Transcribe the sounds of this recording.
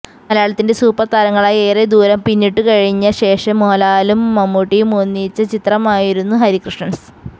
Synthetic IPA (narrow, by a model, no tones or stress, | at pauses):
mɐljaːɭɐt̪ːinde̞suːpɐrt̪ɐlɐŋːɐɭajeːred̪uːɾɐmpinːiʈːɨkɐɻiɲːɐɕe̞ːʂɐmːoːlaːlumːɐmːuʈːijumoːnːit͡ɕːɐt͡ɕit̪rɐmaːjiɾunːuɦɐɾikrɨʂɳɐns